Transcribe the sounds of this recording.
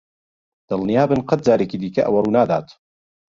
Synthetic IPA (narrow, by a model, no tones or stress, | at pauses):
d̪̥ɨlnijaːbɨnqɐt̪̚d͡ʒaːɾekiːd̪iːkɐʔɐwɐruːnaːd̪a̰ːt̪